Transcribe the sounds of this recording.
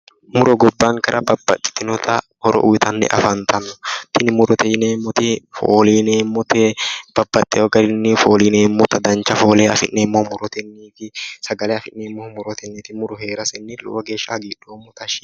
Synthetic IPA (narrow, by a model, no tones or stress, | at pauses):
mʊɾɔɡɔbːaːŋkɐɾʔɐbɐbːɐ̰t̪ʼːɪ̥t̪ɪnɔt̪ɐ | hɔɾɔ̰ʔʊɪt̪ɐnːɛ̰ʔɐ̰fɐnt̪ɐnːɔ̥t̪ɪnɪmʊɾɔt̪ɛneːmːɔt̪ɪfo̰ːliːneːmːɔt̪ɛb̥ɐbːɐt̪ʼːɛɔɡɐɾɪnːɪfoːliːneːmːɔt̪ɐd̪ɐnt͡ʃɐfo̞ːleːɐfɪnːeːmːoːmʊɾɔt̪ɛnːiːfɪsɐɡɐlɛɐfɪnːeːmːoːmʊɾɔt̪ɛnːɪt̪ɪmʊɾɔɦe̞ːɾɐsɛnːɪlɔ̰wɐɡe̞ːʃːɐɡiːᶑ̥ːoːmːɔt̪ɐʃ